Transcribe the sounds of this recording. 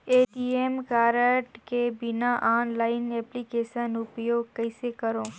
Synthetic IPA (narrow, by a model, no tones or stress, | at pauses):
eʈiemkaɾəʈkebinaʔanlainɛplikeʃənʊpjoɡkəjsekəɾõ